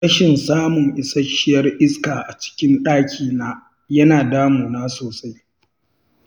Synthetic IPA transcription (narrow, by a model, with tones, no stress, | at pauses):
ɐ˦ʃɪ˨nsaː˦mʊ˨ŋʔɪ˨sɐ˦ʃɪ˦jɐ˦rʔɪ˦skaː˨ʔa˨t͡ʃɪ̥˦kʲɪ˦nɗaː˦kʲʰiː˨naː˦ | jɐ˦naː˨daː˦muː˨naː˦soː˨sa˦j